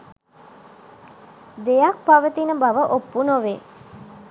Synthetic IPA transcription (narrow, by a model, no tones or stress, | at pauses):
d̪ejak̚paʋət̪inəbaʋəʔopːunoʋe